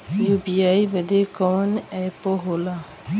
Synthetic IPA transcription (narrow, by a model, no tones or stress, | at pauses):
jubiajbɛd̪ekɔnɛjpɔɦola